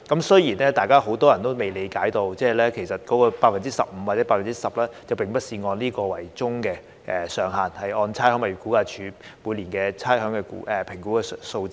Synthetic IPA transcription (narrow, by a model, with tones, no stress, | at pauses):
kɐ˨˥msɵ˥jiː˨˩nɛː˥t̪aː˨jkaː˥ho˨˥wt̪ɔː˥jɐ˨˩nt̪o˥wme˨jle˨˧jkaː˨˥jt̪o˧wt͡sɛː˥˨lɛː˥kʰe˨˩jsɐ˨t̚kɔː˨˥kɔː˧paː˧t̚fɐ˨nt͡si˥sɐ̰˨p̚m̩˨˧wa˨tt͡sɛː˨˥paː˧˥fɐ˨˩nt͡si˥sɐ˨p̚lɛː˥t͡sɐ˨wpɪ˨ŋpɐ˥t̚siː˧ŋɔː˧nliː˥kɔː˧wɐ˨˩jt͡sʊ˥ŋkɛː˧ | ʔɛ˨sœː˨˧ŋɦaː˨nhɐ˨jɔː˧nt͡sʰaː˥jhœː˨˥ŋmɐ˨˩jkuː˨˥kaː˧t͡ʃʰyː˨˥muː˨˧liː˨˩nkɛː˧t͡sʰaː˥ɦœː˨˥ŋkɛː˧kṵː˨˥ʔɛ˨˩pʰɪ˨˩ŋku˨˥kɛː˧so˧wt͡siː˧˥